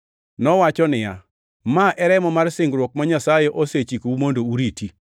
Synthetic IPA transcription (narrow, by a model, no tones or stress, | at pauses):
nɔwat͡ʃɔnɪja̰ | maʔɛɾɛmɔmarsɪŋɡɾwok̚maɲasajɛʔoset͡ʃikowumondouɾiti